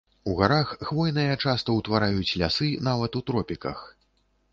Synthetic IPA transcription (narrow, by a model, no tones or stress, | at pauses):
uɣaɾaxxvɔjnɨjɐt͡ʂast̪ɐwt̪vaɾajut͡sʲlʲasɨnavɐt̪ut̪ɾɔpʲikɐ̰x